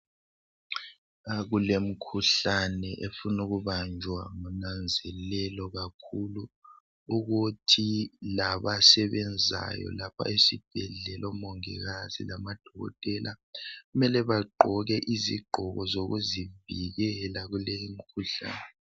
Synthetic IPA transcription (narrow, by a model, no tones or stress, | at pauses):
aɣulem̩kʰuɬanɛʔefunuɣuβand͡ʒʱwa̰ŋunand͡zʱɛlɛlɔɣakʰuluː | ɣutʰilaβasɛβɛnd͡zʱa̰jɔ̰lapʰa̰ʔesib̥̚ʱɛɮɛlʔɔmɔŋɛ̰ɣazḭlamad̥ʱɔɣɔ̰tʼɛlʔaɣumɛlɛβaǃʱɔɣɛʔiziɡ͡ǃʱɔɣɔzoɣuziviɣɛlaɣulejim̩kʰuɬa̰ːnɛ